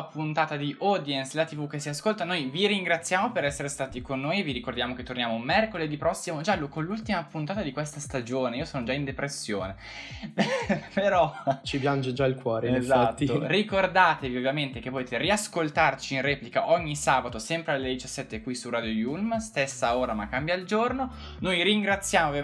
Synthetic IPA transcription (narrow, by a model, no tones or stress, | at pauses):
punt̪aːt̪ad̪iʔɔːd̪jenslat̪ivuk̟esiaskolt̪anojviɾiŋɡɾat̪sːjaːmopeɾɛsːeɾest̪aːt̪ikonːoːjviɾikord̪jaːmoket̪ːornjaːmomɛrkoled̪ipːɾɔsːimod͡ʒalːokonlːult̪imapunt̪aːt̪ad̪ikwest̪ast̪ad͡ʒoːneiːosoːnod͡ʒaind̪epɾesːjoːne | peɾɔt͡ʃipjand͡ʒed͡ʒailkwɔːɾezat̪ːiorikord̪aːt̪eviovːjament̪ek̟epːot̪eːt̪eriaskolt̪art͡ʃinrɛːplikaʔɔɲːisaːbat̪osɛmpɾealːed̪it͡ʃasːɛt̪ːekwisurad̪jojulmst̪esːaoːɾamakːambjaild͡ʒorno | nojɾiŋɡɾat̪sːjaːmovja